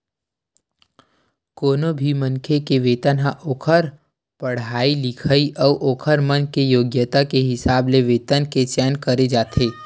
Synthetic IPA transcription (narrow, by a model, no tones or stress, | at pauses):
koːnobʱimə̃nkʰekeʋeːt̪ənɦãʔoːkʰəɾ | pəɽ̤aːilɪkʰəiʔɔːʔoːkʰəɾmənkejoːɡjət̪akeɦɪsaːbleʋeːt̪ənket͡ʃɛːnkəɾed͡ʒaːt̪ʰeː